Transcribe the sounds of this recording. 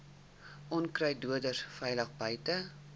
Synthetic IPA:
ʔɔnkrəjduədərfɛjləχbəjtə

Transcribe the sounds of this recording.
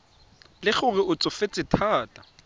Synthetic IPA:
lɪχʊrɪʔʊt͡sʼɔfet͡sʼɪtʰaːtʼḁ

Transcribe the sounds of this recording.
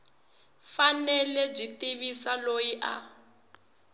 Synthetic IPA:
fanɛlɛb͡ʐitiβisalojiʔa̰

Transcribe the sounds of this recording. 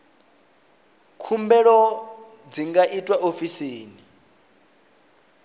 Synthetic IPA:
kʰumbɛɺɔ | d͡ziŋɡaʔitʼwaʔofiseːni

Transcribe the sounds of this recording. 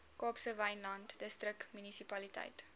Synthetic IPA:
kɑːpsəvɐjnlɐntdəstrəkmynisipɐlitɐ̰jt

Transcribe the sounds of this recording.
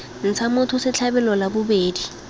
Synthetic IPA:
n̩t͡sʰamʊtʰʊsɪt͡ɬʰabɛlɔlabʊbeːdi

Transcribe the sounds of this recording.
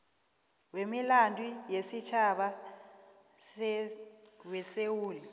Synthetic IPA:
wemilandʼwijesit͡ʃʰaɓa | wɛsewuːli

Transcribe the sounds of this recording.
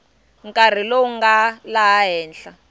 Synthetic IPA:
ŋkʼar̤ilouŋɡalaɦɛːnɬa

